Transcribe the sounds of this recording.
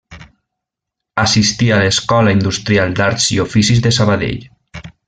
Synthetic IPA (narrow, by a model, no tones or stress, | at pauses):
asist̪ialeskɔlaind̪ust̪ɾialˠd̪aɾt̪z̥iofisizðesaβaðḛʎ